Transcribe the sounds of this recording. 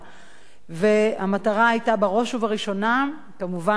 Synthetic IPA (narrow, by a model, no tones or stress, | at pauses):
veamataʁaajtabaʁo̞ʃuvaʁiʃo̞na | kamuva